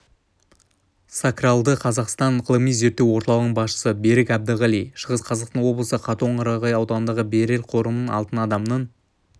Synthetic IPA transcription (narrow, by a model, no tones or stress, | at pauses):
sakralˠd̪əqʰɑzɑqst̪ɑnʁəlˠəmijze̞p̚t̪ːewo̞ɾt̪ɑlˠəʁnəɴbɑsʃə̥səbe̞ɾɪkæb̚d̪əʁælijʃəʁəsqʰɑzɑqt̪ənwo̞blˠəsəqʰɑt̪əəɴɑɾɑʁɑjɑwd̪ɑnənd̪ɑʁəbeɾe̞lqʰo̞ɾənənɑ̰lˠt̪ənɑd̪ɑmnəɴ